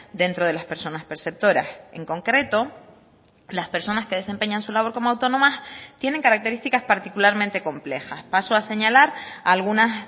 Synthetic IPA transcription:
d̪e̞nt̪ɾo̞ð̞e̞laspe̞ɾso̞naspe̞ɾse̞p̚t̪o̞ɾa̰se̞̰ŋko̞ŋkɾe̞t̪o̞ | laspe̞ɾso̞naske̞ðe̞se̞mpe̞ɲansulaβ̞o̞ɾko̞moawt̪onõ̞mast̪je̞ne̞ŋkaɾak̚t̪e̞ɾist̪ikaspaɾt̪ikulaɾmẽnt̪e̞ko̞mplexaspasoase̞ɲalaɾalɣ̞unas

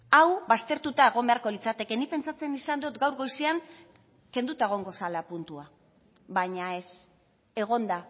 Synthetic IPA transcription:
awbast̪e̞ɾt̪ut̪ae̞ɣ̞o̞mbe̞aɾko̞lit͡sat̪e̞ke̞nipe̞nt͡sat͡se̞nisand̪ot̪ɡawɾɣo̞jseaŋ | ke̞nd̪ut̪ae̞ɣ̞o̞ŋɡo̞salapunt̪ua | βaɲae̞s | e̞ɣ̞o̞nd̪a

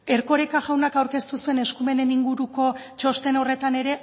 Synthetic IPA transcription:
e̞ɾko̞ɾekaʝawnakawɾke̞st̪usue̞ne̞skume̞ne̞niŋɡuɾuko̞t͡ʃo̞st̪e̞no̞re̞t̪ane̞ɾe̞

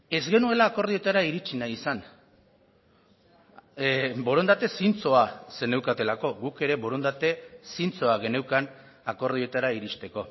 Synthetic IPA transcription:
e̞zɣe̞nue̞laːko̞ɾð̞ie̞t̪aɾaiɾit͡ʃinajisan | bo̞ɾo̞nd̪at̪e̞sint͡so̞ase̞ne̞wkat̪e̞lako̞ɣuke̞ɾe̞bo̞ɾo̞nd̪at̪e̞sint͡so̞aɣe̞ne̞wkan | ako̞ɾð̞io̞t̪aɾaiɾist̪e̞ko̞

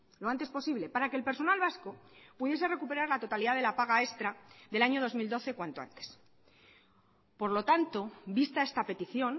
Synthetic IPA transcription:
loant̪espo̞siβle̞paɾakeːlpe̞ɾso̞nalβaskopuðje̞se̞re̞kupe̞ɾaɾlat̪o̞t̪aliðaðe̞lapaɣ̞ae̞st̪ɾaðe̞laɲo̞ð̞o̞zmild̪o̞θe̞kwant̪o̞a̰nt̪e̥s | po̞ɾlo̞t̪ant̪o̞bist̪ae̞st̪ape̞t̪iθjo̞n

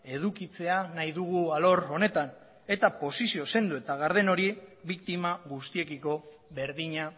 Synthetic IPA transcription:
e̞ðukit͡se̞anajðuɣualo̞ɾo̞ne̞t̪an | e̞t̪apo̞sisio̞se̞nd̪ue̞t̪aɣaɾð̞e̞no̞ɾiβik̚t̪imaɣust̪ie̞kiko̞ | βe̞ɾðiɲa

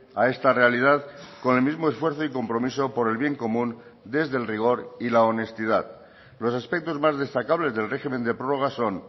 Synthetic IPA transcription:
ae̞st̪are̞alið̞aðko̞nelmizmoe̞sfwe̞ɾθoiko̞mpɾo̞miso̞po̞ɾe̞lβje̞ŋko̞mũnd̪e̞zðe̞lriɣ̞o̞ɾilaone̞st̪ið̞að | lo̞saspe̞k̚t̪o̞zmazð̞e̞st̪akaβ̞le̞zðe̞lre̞xime̞nd̪epɾo̞ro̞ɣ̞aso̞n

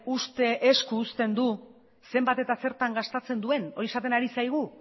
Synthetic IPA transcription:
ust̪e̞ʔeskuːst̪e̞nd̪u | se̞mbat̪e̞t̪ase̞ɾt̪aŋɡast̪at͡se̞nd̪ue̞no̞ɾie̞sat̪e̞naɾisajɣ̞u

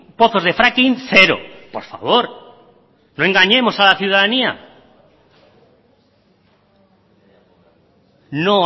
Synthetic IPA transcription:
po̞θo̞zðe̞fɾakinθe̞ɾo̞̰po̞ɾfa̰β̞o̞ɾ | noe̞ŋɡaɲe̞mo̞salaθjuðaðania̰ | no̞

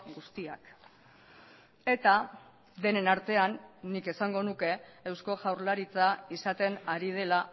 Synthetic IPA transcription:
ɡust̪ia̰k | e̞t̪a | d̪e̞ne̞naɾt̪e̞anːike̞saŋɡo̞nuke̞ːwsko̞ʝawɾlaɾit͡saisat̪e̞naɾið̞e̞la

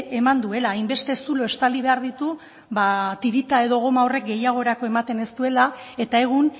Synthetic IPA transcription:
e̞mand̪ue̞laːjmbe̞st̪e̞sulo̞e̞st̪aliβe̞aɾðit̪u | βat̪iɾit̪ae̞ðo̞ɣ̞o̞maore̞k̚ɡe̞jaɣ̞o̞eɾako̞e̞mat̪e̞nest̪ue̞lae̞t̪ae̞ɣ̞un

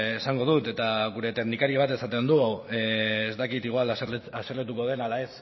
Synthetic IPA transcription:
esaŋɡo̞ð̞ut̪e̞t̪aɣuɾe̞t̪e̞knikaɾiβ̞at̪e̞sat̪e̞nd̪uaweːzt̪akit̪iɣ̞walasaseɾlet̪̬uko̞ð̞e̞nalae̞s

